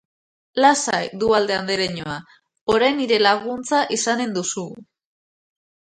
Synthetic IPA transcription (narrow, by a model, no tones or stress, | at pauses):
lasajd̪uald̪e̞and̪eɾeɲoa | oɾajniɾe̞laɣ̞unt͡saʔisane̞nd̪usu